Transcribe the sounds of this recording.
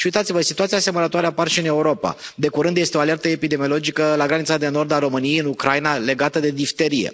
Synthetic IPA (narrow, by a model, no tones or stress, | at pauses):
ʃiujt̪at̪sivəsit̪uat̪siaseməɾət̪oaɾeaparʃiɨne̞uɾo̞pa̰d̪e̞kuɾɨnd̪je̞st̪eo̞ale̞rt̪əepid̪e̞mio̞lod͡ʒikəlaɡɾanit̪sad̪e̞no̞rd̪aɾo̞mɨnijejɨnukɾainale̞ɡat̪əd̪e̞d̪ift̪e̞ɾije̞̰